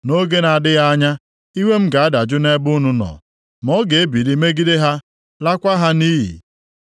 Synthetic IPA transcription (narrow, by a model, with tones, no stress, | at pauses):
no˦ɡe˦na˨a˨dɪ˦ɣa˦ɲa˦ | i˦wʷe˦m̩˦ɡa˨a˦da˨d͡ʒʊ˦ne˦bʊ˦nʊ˦nɔ̰˨ | mɔ˦ɡe˨e˦bi˨ɾi˦me˦ɡi˦de˦ɦa˦ | la˦kʷa˦ɦa˦niː˦ɦḭ˨